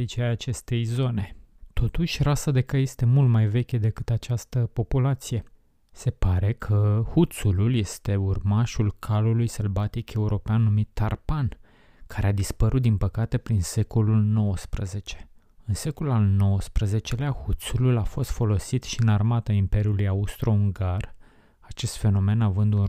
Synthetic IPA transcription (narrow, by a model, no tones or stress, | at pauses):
it͡ʃeaat͡ʃe̞st̪e̞jzo̞ne̞t̪ʰo̞t̪uʃʲrasad̪e̞kaje̞st̪e̞mult̪majve̞kʲed̪e̞kɨt̪at͡ʃast̪əpo̞pulat̪sije̞ | se̞paɾe̞kʰəhut̪sululje̞st̪e̞urmaʃulkʰalulujselvat̪ikʰe̞uɾo̞peanːumit̪ːarpan | kʰaɾead̪ispəɾut̪̚d̪inpəkat̪e̞pɾinse̞ko̞lulno̞wəspɾəze̞t͡ʃe̞̥ | ɨnse̞kolulalno̞wəspɾəze̞t͡ʃe̞leahut̪sululafo̞st̪fo̞lo̞sit̪ʃiɨnarmat̪aimpe̞ɾiulujaust̪ɾo̞uŋɡar | at͡ʃe̞st̪fe̞no̞me̞navɨnd̪un